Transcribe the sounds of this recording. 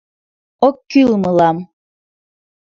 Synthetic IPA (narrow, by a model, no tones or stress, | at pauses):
ɔkːylmɯlam